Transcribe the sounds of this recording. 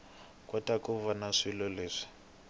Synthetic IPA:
kwɔtakuvanaʂilɔleːʂi̥

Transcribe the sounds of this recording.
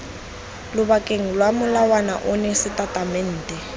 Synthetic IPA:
lʊbakʼeŋ̩lwamʊlawana̰ʔʊnɛsɪtʼatʼamɛn̩ːtʼɛ

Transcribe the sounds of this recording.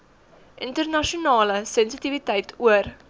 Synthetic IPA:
ʔəntərnɐʃiunɑːləsɛnsitivitɛjtʰuər

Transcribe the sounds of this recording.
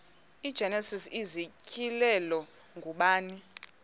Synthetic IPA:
id̥d͡ʒ̥ʱɛnɛsisizicʰʼilɛlɔ | ŋɡʱuɓaːni

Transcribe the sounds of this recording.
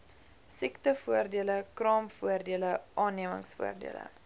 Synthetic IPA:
siktəfuərdiələkrɑːmfuərdiələʔɑːnːiəmə̰ŋsfṵərdḭələ̰

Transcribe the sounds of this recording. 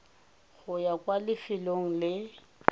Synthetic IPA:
ɣʊjakʼwalɪfɪloŋ̩lɪ

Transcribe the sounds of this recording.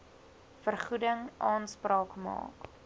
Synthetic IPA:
fərχudəŋʔɑːnsprɑːkmɑ̰ːk

